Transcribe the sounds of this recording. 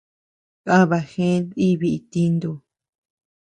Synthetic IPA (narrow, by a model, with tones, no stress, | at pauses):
kã˦βa˧xẽ˦di˦βi˧ʔi˧t̪i˧nd̪u˧